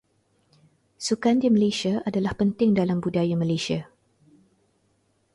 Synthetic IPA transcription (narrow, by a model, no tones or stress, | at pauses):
sukandimə̃lesiaʔadalahpənt̪ɪŋdalambudajamə̃lesia